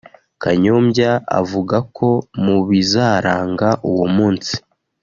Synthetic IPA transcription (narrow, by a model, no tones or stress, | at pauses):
kaɲo̞ːmɟaa̰vuɡakʰo̞muβizaːɾaːŋɡaʔuwumuːnsi̥